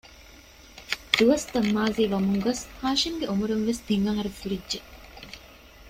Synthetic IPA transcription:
d̪̥uʋɐst̪ɐmːaːziːʋɐmuŋɡɐshaːʃimɡeomuɾunʋest̪iŋɐŋɐɾefuɾidʒe

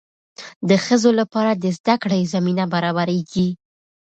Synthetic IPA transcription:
d̪əxəzolapɑɾad̪əzd̪akɽajzaminabaɾɑbaɾeɡi

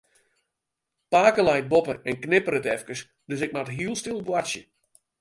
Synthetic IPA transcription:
paːkəlɛjt̚bopəɛnknɪpəɾətɛfkəs | døsɪk̚matɦiəlˠstɪlˠbwasjə̰

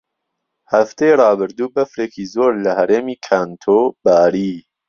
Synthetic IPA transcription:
hɐft̪ʰeːjrɑːbɨɾd̪uːbɐfɾeːkiːzoːɾlɐhɐɾeːmiːkʰaːnt̪ʰobaːɾiː

